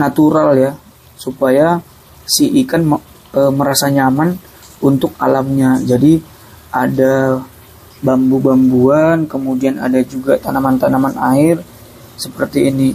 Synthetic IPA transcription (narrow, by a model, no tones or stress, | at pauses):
nat̪uɾalja | supaja | siʔikan | əməɾasaɲaman | unt̪ʊk̚alamɲad͡ʒadi | ʔada | bambubambuankəmudiana̰dad͡ʒuɡat̪anamant̪anamana̰ɪr | səpərt̪iːni